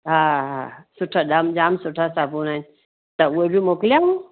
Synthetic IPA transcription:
ɦaːɦa̰sʊʈʰaɗaːmd͡ʒaːmsʊʈʰasaːpuːnan | t̪ɐʊebʱimoːkljaɦũ

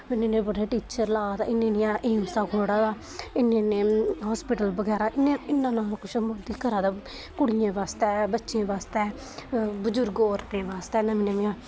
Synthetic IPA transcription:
ɪnẽːnẽːbəɽeːʈiːt͡ʃəɾlaːd̪a̰ːɪnːẽːnẽaːʔeːmsaːkʰoːɽaːd̪aː | ɪnːẽːneːɦaːspɪːʈəlbəɡɛːɾaːʔɪnẽːɪnːãːnaːlkʊʃmoːd̪iːkəɾaːd̪aː | kʊɽɪjãːʋaːst̪ɛːbətːʃẽːʋaːst̪ɛː | bəd͡ʒʊɾɡoːɾd̪eːʋaːst̪ɛːɪnãːmɪnẽmẽãː

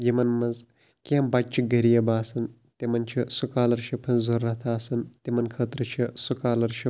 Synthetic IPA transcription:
jimɐnmɐnz | kʲembat͡ʃʰiɡɐɾijɐbaːsɐn | t̪imɐnt͡ʃʰisukaːlɐɾʃɐpʰɐnzoɾːɐt̪ʰaːsɐnt̪imɐnkʰəːt̪ɾɐt͡ʃʰisukaːlɐɾʃi

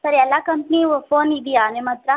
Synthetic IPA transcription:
səɾiɐlːakɐmpniʋəfoːnid̪ijanemɐt̪ɾa

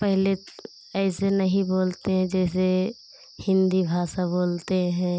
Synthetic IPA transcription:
pəɦle | ɛɪsenəɦĩboːlt̪eɦɛ̃d͡ʒɛːse | hɪ̃nd̪ibʱaːsaboːlt̪eɦɛ̃

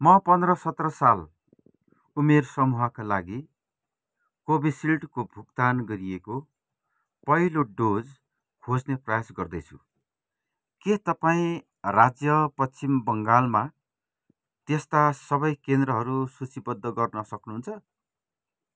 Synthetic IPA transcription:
mʌpʌnd̪rʌsʌt̪rʌsal | umersʌmuɦakalaɡi | kobisilʈkobʱukt̪anɡʌɾieko | pʌɦiloɖod͡z | kʰod͡zneprʌjasɡʌrd̪ʌjt͡sʰu | ket̪ʌpaĩ | rad͡zjʌpʌt͡simbʌŋɡalma | t̪est̪asʌbʌjkend̪rʌɦʌɾusut͡sibʌd̪ːʌɡʌrnʌsʌknuɦunt͡sʰʌ

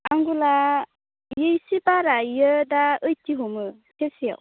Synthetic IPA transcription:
aŋɡula | jɯjsipaɾajədaɯjtiɦomɯ | tʰesija̰w

